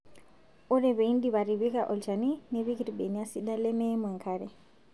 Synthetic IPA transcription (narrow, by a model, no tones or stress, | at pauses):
ɔɾeβeindiβaɾiβikaʔɔlt͡ʃanineβikiɾibeniasiɗalɛmɛmwaŋkʰaɾe